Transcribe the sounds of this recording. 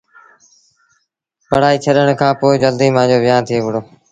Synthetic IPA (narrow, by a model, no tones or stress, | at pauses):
pəɽ̤aːiːt͡ʃʰəɗəɽ̃kʰãːpoːɪd͡ʒəld̪iːmãːd͡ʑoːʋɪjaːnt̪ʰɪeːʋʊɽoː